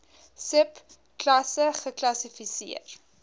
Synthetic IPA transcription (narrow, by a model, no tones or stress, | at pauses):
səp | klɐsəχəklɐsifisḭər